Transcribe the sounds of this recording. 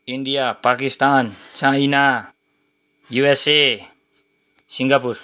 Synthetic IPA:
indiapakist̪ant͡ʃaina | juɛse | siŋɡapur

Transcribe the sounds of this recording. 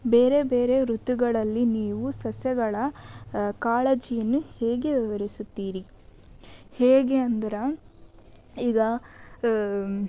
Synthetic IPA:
be̞ːɾe̞beːɾe̞ɾut̪ːuɡɐɭɐlːiniːʋusɐsjɐɡɐɭɐ | kaːɭeːd͡ʒijɐnːuheːɡe̞ʋiʋɐɾisut̪ːiːɾi | heːɡeɐnd̪ɐɾɐ | iːɡɐ

